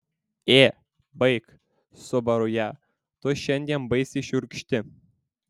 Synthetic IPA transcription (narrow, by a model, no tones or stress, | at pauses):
e | bɤjk | sobɑɾujɑ | t̪oɕɘ̆nʲdʲenʲbɤjsʲiɕurʲkʲʃt̪ʲɘ̆